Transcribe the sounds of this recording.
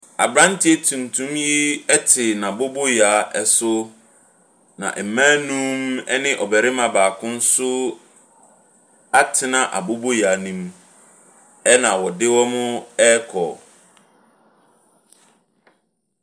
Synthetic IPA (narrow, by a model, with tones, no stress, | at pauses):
a̰˨bɾã˦n˦tʰi˦e˦tʰũ˨n˨tʰũ˦mji˦ɛ˦tʰɪ˨nã˨bo˦bo˦ja˨˦ɛ˨sʊ˦ | nã̰˨ʔm̩˨mãː˦nũ˦mɛ̰˦nɪ̃˦ʔɔ˨bɛ˨ɾɪ˦mã˨baː˨kʰʊ̃˦n̩˦sʊ˦ | a˦tʰɪ˦nã˨ʔa̰˨bo˦bo˦jaː˨˦nĩ˦m | ɛ˦nã˨wɔ˨dɪ˦wɔ˦mʊ̃˦ɛ˦kʰɔ̰˨